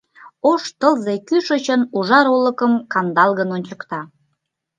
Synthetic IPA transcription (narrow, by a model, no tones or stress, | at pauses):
oʃt̪əlzekyʃət͡ɕənuʒɑɾolə̆kəmkɑnd̪ɑlɣənonʲt͡ɕəkt̪ɑ